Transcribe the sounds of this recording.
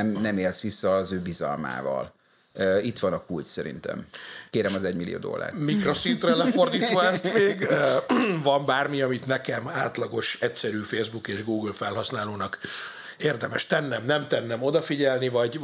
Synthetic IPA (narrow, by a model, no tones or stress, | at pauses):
ɛmnɛmeːlsʋisːɒzøːbizɒ̰lma̰ːvɒ̰l | øit̪ʋɒnɒkulcsɛɾḭnt̪ɛ̰mkeːɾɛmɒzɛɟmilijo̰ːd̪o̰lːa̰ːrmikro̞sint̪rɛlɛfo̞rd̪iːt̪ʋɒɛst̪meːɡ | vɒmbaːrmiɒmit̪nɛkɛmaːt̪lɒɡo̞ʃɛcsɛɾyːfeːzbukeːʒɡuːɡlfɛlɦɒsnaːloːnɒk | eːrd̪ɛmɛʃt̪ɛnːɛmnɛmt̪ɛnːɛmo̞d̪ɒfiɟɛlnivɒɟ